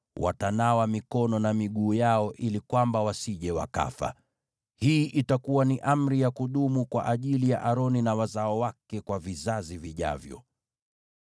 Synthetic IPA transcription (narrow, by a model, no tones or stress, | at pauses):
wʔa̰tanawamikɔnɔnamiɠuːjaɔʔilikwambawasiʄɛwa̰ka̰fa̰ | hiːʔitakuwaniʔam̩ɾijakuɗumukwa̰ʔaʄilija̰ʔaɾɔninawazaɔwakɛkwavizaziviʄa̰vjɔ̰